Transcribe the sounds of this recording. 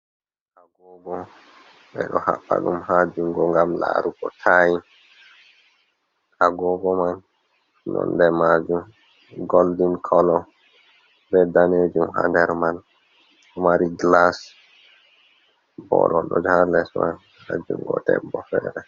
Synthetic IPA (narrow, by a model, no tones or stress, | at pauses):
ʔaɡɔɡɔ | ɓɛɗɔha̰ɓːaɗumhad͡ʒuŋɡɔŋɡamla̰ɾuɡɔtʰajin | ʔaɡɔɡɔman | nɔ̰ndɛmad͡ʒum | ɡoldinkʰɔlɔ | bɛdaned͡ʒumhandɛɾman | ɔmaɾiɡlas | bɔɾɔɗɔd͡ʒalɛsman | had͡ʒuŋɡɔdɛ̰bbɔfɛɾɛ